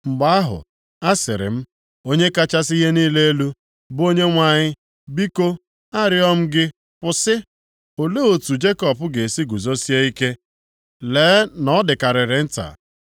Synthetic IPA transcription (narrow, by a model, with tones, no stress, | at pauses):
ŋ͡m̩˨ɡ͡ba˦a˦ɦʊ̰˨ | a˦sɪ̰˨ɾɪ̰˨m̩˦ | o˦ɲe˦ka˦t͡ʃa˦si˦ɦe˦niː˦le˦e˦lu˦ | bo˦ɲe˦ŋʷa˨ɲɪ˦ | bi˦ko˦ | a˦ɾɪ˦ɔ˦m̩˦ɡɪ˦ | pʊ˨sɪ˦ | o˨le˦o˨tu˨d͡ʒe˦kɔ˨pʊ˦ɡe˨si˦ɡu˨zo˦si˦e˦i˦ke˦ | leː˨˦nɔ˦dɪ˨ka˨ɾɪ˨ɾɪ˨n̩˦ta̰˨